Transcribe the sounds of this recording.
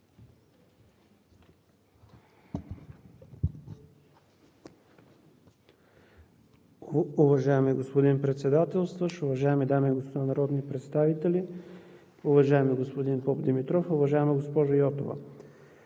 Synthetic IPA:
uvɐʒaɛmiɡospod̪inpɾɛt̪sɛd̪at̪ɛlˠst̪vəʃʊvɐʒaɛmid̪amiːɡospod̪anɐɾɔd̪nipɾɛt̪st̪avit̪ɛli | ʊvɐʒaɛmiɡospod̪inpɔpd̪imit̪ɾɔfʊvɐʒaɛmɐɡospɔʒɐjɔt̪ovə̰

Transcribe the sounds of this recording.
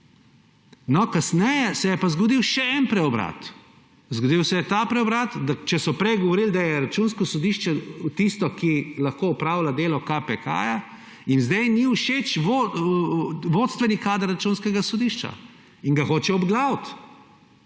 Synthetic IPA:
nɔkasnɛjɛsɛjɛpazɡɔd̪iwʃɛɛnpɾɛɔbɾa̰t̪ | zɡɔd̪iwsɛjɛt̪apɾɛɔbɾat̪d̪at͡ʃɛsɔpɾɛjɡɔʋɔɾild̪ajɛɾat͡ʃuːnskɔsɔd̪iʃt͡ʃɛt̪ist̪ɔkilaxkoɔpɾaːwlad̪eːlɔkapɛka̰ːja | inzd̪ɛjniuʃet͡ʃʋo | ʋoːt̪st̪ʋɛnikaːd̪əɾːat͡ʃunskɛɡasɔd̪iʃt͡ʃa̰ | iŋɡaxoːt͡ʃɛɔbɡlaːwt̪

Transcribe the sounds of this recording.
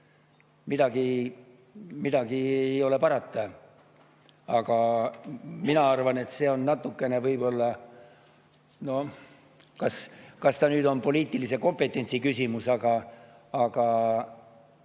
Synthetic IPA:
mid̪̥ɑɡi | mid̪̥ɑɡ̥iejo̞le̞pɑɾɑt̪ːɑ | ɑɡ̥ɑ | minɑɑrvɑne̞t̪se̞o̞nnɑt̪ˑːukːe̞ne̞vɤjbo̞lːɑ | no̞ | kɑskɑst̪ɑnyːd̪o̞npo̞liːt̪ːˑilise̞ko̞mpe̞t̪ˑːe̞nʲsikysʲimusɑɡɑː | ɡ̥ɑ

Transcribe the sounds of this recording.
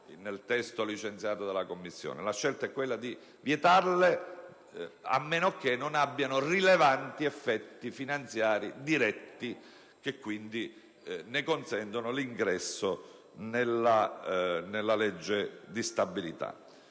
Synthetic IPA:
nelt̪ɛst̪olit͡ʃent̪sjaːt̪od̪elːakomːisːjo̰ːnḛlaʃːelt̪aɛkːwelːad̪i | vjet̪arle | a̰mːeːnoak̟ːenonabːjanorilevant̪iefːɛt̪ːifinant̪sjaːɾid̪iɾɛt̪ːi | k̟ekːwind̪i | nekonsɛnt̪onoliŋɡɾɛsːo | nelːa | nelːalɛd͡ʒːed̪ist̪abːilḭt̪a̰

